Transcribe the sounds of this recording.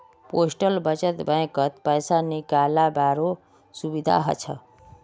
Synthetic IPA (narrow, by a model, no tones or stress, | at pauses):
posʈəlbət͡ʃət̪bə̃j̃kət̪pəjsanikalabaɾo | subid̪ʱa̰ɦə̰t͡ʃʰə̰